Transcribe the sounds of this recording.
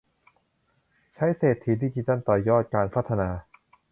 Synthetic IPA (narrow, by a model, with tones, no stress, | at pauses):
t͡ɕʰa˦˥jseː˨˩t̪ʰːiː˨˩d̪iː˧t͡ɕi˧t̪a˥˩nt̪ɔː˨˩jɔː˥˩t̪̚kaː˧npʰa˦˥t̪ʰːa˧naː˧